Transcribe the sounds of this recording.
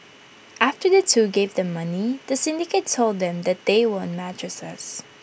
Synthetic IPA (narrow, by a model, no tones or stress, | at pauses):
ʔæftə˞ðətʰuɡeɪvðɨ̃mːʌniðəsɪ̃ndɪkeɪttʰːoʊlˠd̪̚ðɛ̃mðɨt̪̚ðeɪwõʊ̃nmæt͡ʃɹ̥ɨsʌs